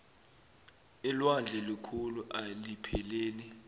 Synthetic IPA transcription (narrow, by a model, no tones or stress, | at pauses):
ɛlwand͡ɮʱɛlikʰuluʔalipʰɛleːni